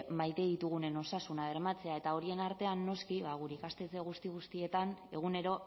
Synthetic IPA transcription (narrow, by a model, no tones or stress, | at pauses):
majt̪e̞ðit̪uɣ̞une̞no̞sasunaβe̞ɾmat͡se̞ae̞t̪ao̞ɾie̞naɾt̪e̞anːo̞skiβaɣ̞uɾeikast̪e̞t͡se̞ɣ̞ust̪iɣust̪ie̞t̪ane̞ɣ̞une̞ɾo̞